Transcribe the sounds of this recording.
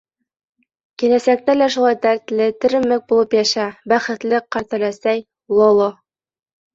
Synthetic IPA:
kilæsæk̚t̪ælæʃulˠɑjt̪æɾt̪lɘt̪ɵ̆ɾɘ̆mɘk̚bulˠɤpjæʃæbæχɘ̆t̪lɘqːɑɾt̪æ̆læsæj | lˠolˠo

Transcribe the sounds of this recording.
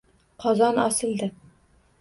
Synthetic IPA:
qʰɒzɑnɒsɨ̆lˠd̪ɘ

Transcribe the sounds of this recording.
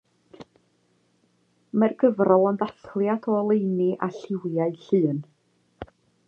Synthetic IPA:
mərɡəvrɔlˠəndaθlˠjadʰɔəlˠejniʔaɬɪwjaɨɬɨːn

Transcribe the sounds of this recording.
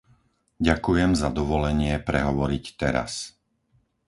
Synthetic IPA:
ɟakujɛmzad̪ɔʋɔlɛɲɪɛpɾɛɦɔʋɔɾict̪ɛɾa̰s

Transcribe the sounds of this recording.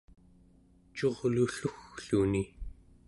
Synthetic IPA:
t͡ʃo̞ʁluɬuxɬuni

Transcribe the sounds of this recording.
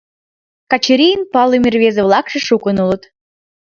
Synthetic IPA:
kɑt͡ɕəɾʲijənpɑlɨmʲerβʲezeβlˠɑkʃĕʃukənulə̆t̪

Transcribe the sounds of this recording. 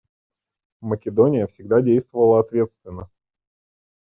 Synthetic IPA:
məkʲɪd̪onʲɪjəfsʲɪɡd̪adʲejst̪vəvəlˠəɐt̪vʲe̞t̪st̪vʲɪnːə

